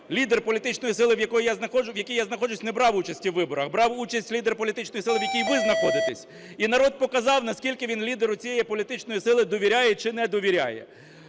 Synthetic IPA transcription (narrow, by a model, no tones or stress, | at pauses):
lʲid̪erpɔlʲit̪ɪt͡ʃnɔjisɪlˠɪʋjɐkɔjijaznɐxɔd͡ʒʊʋjɐkʲijaznɐxɔd͡ʒʊsʲnɛbɾɑwut͡ʃɐsʲtʲiwːɪbɔɾɐxbɾɑwut͡ʃɐsʲtʲlʲid̪erpɔlʲit̪ɪt͡ʃnɔjisɪlˠɪwjɐkʲijʋɪznɐxɔd̪ɪt̪ɛsʲ | inɐɾɔd̪̚pɔkɐzɑwnɐskʲilʲkɪʋʲinlʲid̪eɾʊt͡sʲijɛjipɔlʲit̪ɪt͡ʃnɔjisɪlˠɪd̪ɔʋʲiɾʲajɛt͡ʃɪnɛd̪ɔʋʲiɾʲa̰jɛ̰